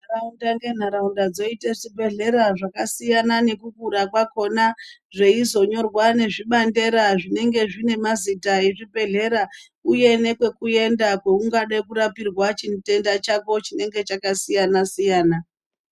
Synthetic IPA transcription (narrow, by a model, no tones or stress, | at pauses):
naraundaŋɡe̞n̤aɾaundad͡zo̞iteʐibʱe̞ɮe̞ɾaʐakasijanane̞kukuɾakwako̞naʐe̞izo̞ɲo̞rwane̞ʐiɓande̞ɾaʐine̞ŋɡe̞ʐine̞mazitae̞ʐibʱe̞ɮe̞ɾa | uje̞ne̞kwe̞kue̞ndakwe̞uŋɡaɗaikuɾapirwat͡ʃinte̞ndat͡ʃako̞t͡ʃine̞ŋɡe̞t͡ʃakasijanasijaːna